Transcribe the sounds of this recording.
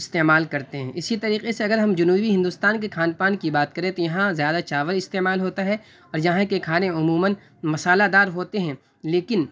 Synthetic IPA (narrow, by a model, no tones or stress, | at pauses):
ɪst̪eːmaːlkɐɾt̪eɦɛ̃ʔɪsit̪ɐɾiːqeseɐɡəɾɦɐmd͡ʒʊnuːbiɦɪ̃nd̪ʊst̪aːnkekʰaːnpaːnkibaːt̪̚kɐɾẽt̪ojɐɦãzjaːd̪at͡ʃaːʋəɾɪst̪eːmaːlɦoːt̪aɦɛ | ɔːɾjɐɦãkekʰaːnẽʊmuːmən | mɐsaːlad̪aːɾɦoːt̪eɦɛ̃ː | leːkɪn